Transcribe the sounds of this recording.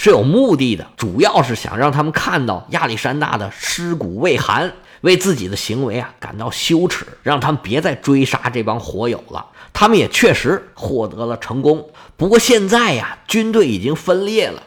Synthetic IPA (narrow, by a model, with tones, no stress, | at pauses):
ʂɻ̩˥˩jo˨˩ʊmu˥˧t̪̬i˥˩d̪ə̰˩ʈ͡ʂu˨˩jɑ˥˧ʊʂɻ̩˥˩ɕjɑ̰˨˩ŋɻɑ˥˩ŋt̪ʰa˥mə˨nkʰa˥˧nt̪ɑ˥˧ʊja̰˥˧li˥˩ʂa˥nt̪a̰˥˩d̪ə˩ʂɻ̩˥ku˨˩we˥˩ɪxa̰˧˥n | we˥˧ɪt͡sɹ̩˥˩t͡ɕi˨˩d̪ə˦ɕi˧˥ŋwe˧˥ɪa˧ka̰˨˩nt̪ɑ˥˩ʊɕjo˥ʊʈ͡ʂʰɻ̩̰˨˩˦ɻɑ˥˩ŋt̪ʰa˥mə˨npjɛ˧˥t͡sa˥˩ɪʈ͡ʂwe˥ɪʂa̰˥ʈ͡ʂɤ˥˩pɑ˥nxwɔ˧˥jo̰˨˩ʊlə̰˦t̪ʰa˥mə˨njɛ̰˨˩t͡ɕʰɥɛ˥˩ʂɻ̩˧˥xwɔ˥˩t̪ɤ˧˥lə˨ʈ͡ʂʰɤ˧˥ŋkʊ˥ŋ | pu˧˥kwɔ˥˧ɕjɛ˥˧nt͡sa˥˩ɪa˩t͡ɕy˥nt̪we˥˩ɪi˨˩t͡ɕi˥ŋfə˥nljɛ˥˩lə̰˩